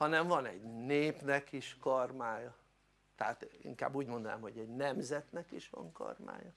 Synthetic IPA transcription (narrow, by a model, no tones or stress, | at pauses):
hɒnɛɱvɒnɛ̰ɟneːpnɛkiʃkɒrmaːjɒ | t̪ɛat̪ḭŋka̰ːbːuːɟmond̪ona̰ːmho̞ɟɛɟnɛmzɛt̪nɛkiʃʋɒ̰ŋkɒ̰rma̰ːjɒ